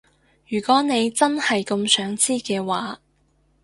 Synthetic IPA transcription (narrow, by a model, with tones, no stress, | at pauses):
jyː˨˩kʷɔː˨˥ne˨˧jt͡sɐ˥nhɐ˨jkʊ˧msœː˨˥ŋt͡siː˥kɛː˧waː˨˥